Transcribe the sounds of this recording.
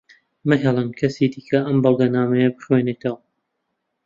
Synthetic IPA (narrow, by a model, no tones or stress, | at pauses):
mɨɦɛlˠɨnkʰɐsiːd̪iːkʰɐʔɐmbɨlˠɡɐnaːmɐjɐbɨχwenet̪ʰɐwɐ